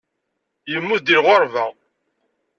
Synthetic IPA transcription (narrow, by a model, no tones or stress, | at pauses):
jəmːud̪iɾʁoɾvæ